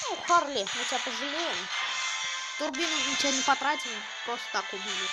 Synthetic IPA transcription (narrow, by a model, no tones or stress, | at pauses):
nuxarlʲemɨtʲɪapəʐɨlʲejɪm | t̪ʊrbʲinmɨtʲɪbʲanʲɪpɐt̪ɾatʲɪlʲɪ | kɾost̪t̪akʊbʲilʲɪ